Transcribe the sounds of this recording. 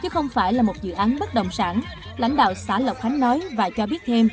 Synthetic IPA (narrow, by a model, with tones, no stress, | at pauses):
t͡ɕɨ˨˦xə˧wŋ͡mfaː˧˩jlaː˨˩mo˨˩t̚zɨ̰˧˨ʔaː˨˦nɓə˦˥t̚ɗə˨˩wŋ͡msaː˧˩n | la̰˧˥jŋ̟ɗa̰ː˧˨wsaː˧˩lə˨˩wk͡p̚t̪ʰa˨˦jŋ̟nɔ˨˦jvaː˨˩t͡ɕɔ˧ɓi˦˥ət̚t̪ʰe˧m